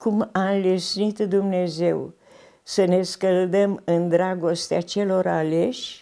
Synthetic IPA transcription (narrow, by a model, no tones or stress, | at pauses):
kumaɨnlisnit̪d̪umne̞ze̞w | səne̞skəld̪əmɨnd̪ɾaɡo̞st̪eat͡ʃe̞lo̞ɾale̞ʃʲ